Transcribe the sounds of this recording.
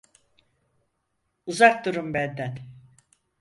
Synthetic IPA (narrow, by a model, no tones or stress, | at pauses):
uzak̚d̪uɾumbænd̪æn